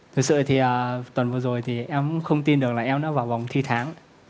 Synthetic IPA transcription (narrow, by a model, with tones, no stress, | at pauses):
t̪ʰɨ˨˩k̚sɨ̰˧˨t̪ʰi˨˩ʔəː˨˩t̪wə˨˩nvɨ˨˩əzo˨˩jt̪ʰi˨˩ʔɛ˧m˥ŋ͡mxə˧wŋ͡mt̪i˧nɗɨ˨˩ək̚laː˨˩ʔɛ˧mnɔ˨˦vaː˨˩wva˨˩wŋ͡mt̪ʰi˧t̪ʰaː˨˦ŋ